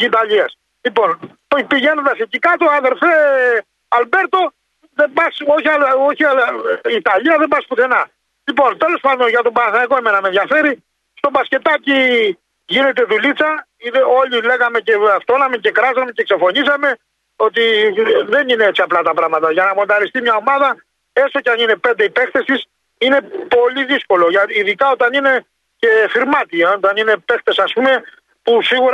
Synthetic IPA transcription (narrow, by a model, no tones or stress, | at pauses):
it̪ɐʎiɐs | lipo̞n | piʝe̞nond̪ɐsecikɐt̪oɐðe̞ɾfe | ɐlbe̞ɾt̪o̞ | ðebɐso̞çiɐlo̞çiliːt̪ɐʎiɐðebɐspuθe̞nɐ | lipo̞nt̪e̞lo̞spɐnd̪onʝɐt̪o̞bɐnɐθɐɐko̞e̞me̞nɐmeðʝɐfe̞ɾi | st̪obɐsce̞t̪ɐci | ʝine̞t̪e̞ðulit͡sɐ | iðo̞lile̞ɣɐme̞ceaft̪onɐme̞ce̞kɾɐzɐmece̞kse̞fo̞nisɐme̞ | o̞t̪iðe̞nineet͡siɐplɐt̪ɐpɾɐɣmɐt̪ɐʝɐnɐmo̞nd̪ɐlist̪imɲɐo̞mɐðɐ | e̞so̞ceɐnine̞pe̞nd̪e̞ipe̞xt̪est̪is | ine̞po̞liðisko̞lo̞ʝɐiðikɐo̞t̪ɐnine̞ | ce̞xiɾmɐt̪iot̪ɐnine̞pe̞xt̪e̞sɐspume̞ | pusiɣuɾ